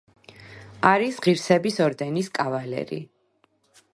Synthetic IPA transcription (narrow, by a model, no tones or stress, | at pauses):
aɾisʁiɾsɛbisɔɾd̪ɛniskʼavalɛ̰ɾḭ